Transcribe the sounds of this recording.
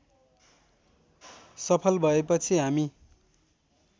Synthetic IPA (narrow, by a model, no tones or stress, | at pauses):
sʌpʰʌlbʱʌepʌt͡sʰiɦami